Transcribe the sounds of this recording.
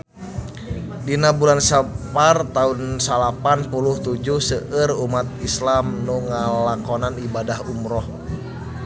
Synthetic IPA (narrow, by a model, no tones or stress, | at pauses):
dinabulansapart̪aunsalapanpuluht̪ud͡ʒuhsəʔərumat̪̚islamnuŋalakɔnanibadahumɾɔh